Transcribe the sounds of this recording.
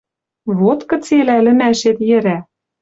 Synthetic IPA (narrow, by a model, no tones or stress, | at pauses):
βot̪kɤ̆t͡selælɘ̆mæʃet̪jɘ̆ɾæ